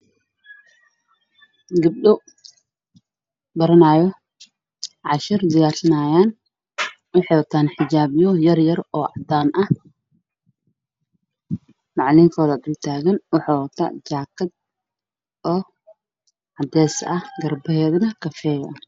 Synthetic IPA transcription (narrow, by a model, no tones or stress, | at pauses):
ɡɐb̚ɗɔ | bɐɾɐnaːjɔ | ʕɑʃɪrd̪ɐjaːrsɐnaːjaːn | wɑħɑwɐt̪ʰaːnħɪd͡ʒaːbjɔjɐrjɐrɔːʕɑd̪aːnʔɐh | mɑʕlɪŋkʰɔːðɐd̪ɪlt̪ʰaːɣɐnwɑħawɐt̪ʰa̰t͡ʃaːkʰɐd̪̚ | ɔː | ʕɑd̪ɛːsɐhɡɐrbɐɦɛːðɐnɐkʰɐfɛːjɐn